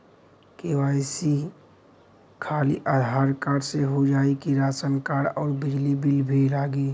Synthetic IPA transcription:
kewaːisi | kʰaːliʔad̪ʱaːɾkaːɽseɦod͡ʒaːikiɾaːt͡ʃənkaːɽɔːɾbɪd͡ʒlibilbʱilaːɡiː

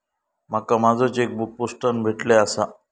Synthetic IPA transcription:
m̤akamad͡zʱət͡ɕek̚buk̚posʈənbʱeʈleasa

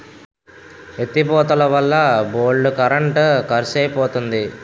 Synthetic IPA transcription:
et̪ːipɔːt̪ɐlɐʋɐlːɐboːɭɖukɐɾɐɳʈkɐɾseːjpɔːt̪und̪i

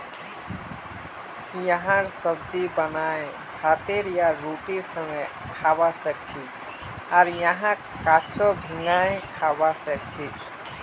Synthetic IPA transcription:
jaɦãɾsəbd͡ʒibənaj | hat̪eɾjaɾoʈiɾsəŋɡe | kʰabasək̚t͡ʃʰi | aɾjaɦã | kat͡ʃɔbʱiŋajkʰabasɛk̚t͡ʃʰi

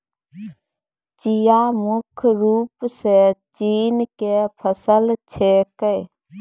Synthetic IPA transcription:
t͡ʃijamʊkʰɾuːpset͡ʃiːnkepʰəsəlt͡ʃʰekə

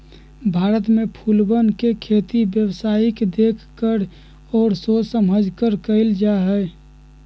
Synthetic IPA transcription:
bʱaːɾət̪mẽpʰuːlbənkekʰeːt̪ibjəwsaːɪkd̪eːkʰkəɾ | ɔːɾsosəməd͡ʒʱkəɾkəɪld͡ʒaɦɛː

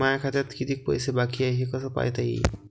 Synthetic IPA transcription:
aakʰat̪at̪kid̪ik̚po̰jsebakiajɦikɔt̪ʰapa̰jt̪aj̰

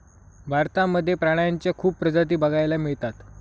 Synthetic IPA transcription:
bʱaɾt̪aməd̪ʱːjepɾaɽ̃əjaɲt͡ɕjakʰuːppːɾəd͡zat̪̬iːbəɡʱajlamiɭt̪at̪

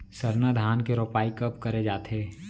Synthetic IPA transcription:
sɐɾnad̪ʱaːnkeɾoːpaːikɐpkɐɾed͡ʒaːt̪eː

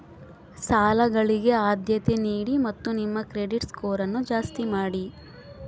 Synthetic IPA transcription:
saːlɐɡɐɭiɡe̞aːd̪ʱjɐt̪eniːɽimɐt̪ːunimːɐkɾeɖiʈskoːɾɐnːud͡ʒaːst̪imaːɽi

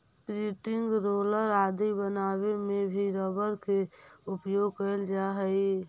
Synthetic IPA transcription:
pɾiʈɪŋɡɾoːləɾaːd̪ibənaːwemẽbʱiɾəbəɾkeʊpjoɡkəld͡ʒaɦəi

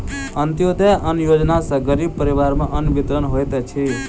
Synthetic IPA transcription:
ənt̪jod̪əʔənjod͡ʒnasəɡəɾib̚pəɾiʋaɾmãʔənʋit̪ɾənɦojt̪et͡ʃʰi

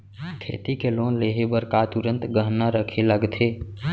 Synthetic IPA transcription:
kʰḛt̪ikelonleɦebəɾkat̪uɾə̃nt̪ɡəɦnəɾəkʰeləɡt̪ʰe

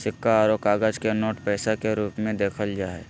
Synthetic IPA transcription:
sɪkːaːɾokaːɡəd͡ʒkenoːʈpɛːsakeɾuːpmẽd̪eːkʰəld͡ʒaːɛ

